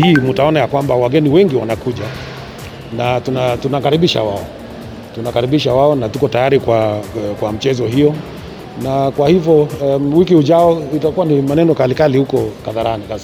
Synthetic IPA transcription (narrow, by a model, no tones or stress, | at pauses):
hiːmutaɔnajakwambawaɡɛniwɛŋɡiwanakuʄa | natunatunakaɾiɓiʃa̰waɔ | tunakaɾiɓiʃawaɔnatukɔtajaɾikwakwam̩t͡ʃɛzɔɦijɔ | nakwahivjɔwik̬ihuʄaɔitakuwanimanɛnɔkalikalihukɔkaðaɾanika